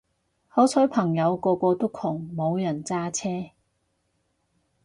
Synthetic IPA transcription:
hɔː˨˥t͡sʰɔ˨˥jpʰɐ˨˩ŋjɐ˨˧wkɔː˧kɔː˧t̪o˥kʰʊ˨˩ŋmo˨˧wjɐ˨˩nt͡saː˥t͡sʰɛː˥

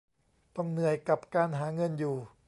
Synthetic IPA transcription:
t̪ɔ˥˩ŋnɯ˨˧˩əjka˨˩p̚kaː˧nɦaː˩˦ŋɤ˧njuː˨˩

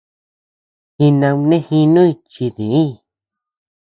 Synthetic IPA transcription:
xi˧nã˧nẽ˦hi˧nũ˦i˧t͡ʃi˧ðĩ˨ĩ˦˧

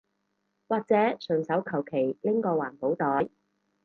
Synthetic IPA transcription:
waː˨k̚t͡sɛː˨˥sɵ˨˩ŋsɐ˨˥wkʰɐ˨˩wkʰe˨˩jlɪ˥ŋkɔː˧waː˨˩npo˨˧˥wt̪ɔː˨˥j

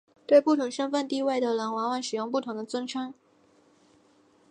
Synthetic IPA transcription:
t̪we˥˧ɪpu˥˩t̪ʰʊ˧˥ŋʂə˥ŋfə˥˧nt̪i˥˧we˥˩ɪd̪ə˩la˧˥nwa˧˥wa˧˥nʂɻ̩˨˩jʊ˥˧ŋpu˥˩t̪ʰʊ˧˥ŋd̪ə˧t͡swə˥nʈ͡ʂʰa˥n

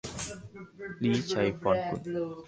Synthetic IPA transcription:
liː˦˥t͡ɕʰa˧jfɔː˧nkṵ˨˩n

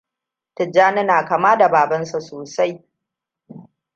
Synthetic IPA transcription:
tɪ˨d͡ʒaː˦nɪ˦naː˨ka˨maː˦da˨baː˨bɐ˦nsa˨soː˨sa˦j

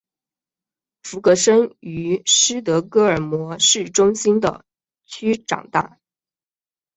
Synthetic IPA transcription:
fu˧˥kɤ˧˥ʂə˥ŋy˧˥ʂɻ̩˥t̪̬ɤ˧˥kɤ˥ə˞˨˩mwɔ˧˥ʂɻ̩˥˩ʈ͡ʂʊ˥ŋɕi˥nd̪ə̰˨ | t͡ɕʰy˥ʈ͡ʂɑ̰˨˩ŋt̪a̰˥˩

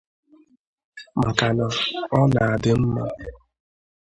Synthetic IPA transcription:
m̩˨ka˨nɔ˨ɔ˦na˨a˨dɪ˦m̩˦ma˦

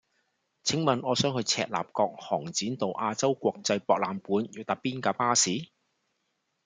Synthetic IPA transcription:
t͡sʰɪ˨˥ŋmɐ˨nɔː˨˧sœː˨˥ŋhɵ˧ɥt͡sʰɛ̰ː˧t̚la̰ː˨˩p̚kɔː˧k̚hɔː˨˩ŋt͡siː˨˥nt̪o˨wʔaː˧t͡sɐ˥wkʷɔː˧k̚t͡sɐ˧jpɔː˧k̚laː˨˧mpuː˨˥njyː˨˩t̪ɐ˨˥pːiː˥nkaː˧paː˥siː˨˥

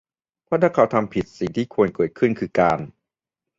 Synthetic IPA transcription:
pʰɔ˥˩na˥˩kʰa˦wt̪ʰa˧mpʰi˨˩t̪̚si˨˩ŋt̪ʰiː˥˩kʰu˧ənkɤː˨˩t̪̚kʰɯ˥˩nkʰɯː˧kaː˧n

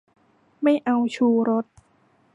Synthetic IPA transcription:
ma˥˩jʔa˧wt͡ɕʰuː˧ɾo˦˥t̪̚

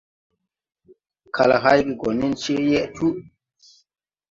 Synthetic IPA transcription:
kʰa˨la̰˨ɦa˦jɡi˨ɡɔ˨ni˦nt͡ʃi˦jɛ˦ʔtu˦

